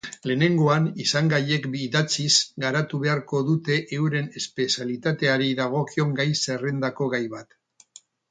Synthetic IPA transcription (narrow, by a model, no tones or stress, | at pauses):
le̞ne̞ŋɡo̞anisaŋɡaje̞kbiðat͡sisɡaɾat̪uβe̞aɾko̞ðut̪e̞ʔewɾe̞ne̞spe̞sjalit̪at̪e̞aɾiðaɣ̞o̞kio̞ŋɡajse̞re̞nd̪ako̞ɣajβat̪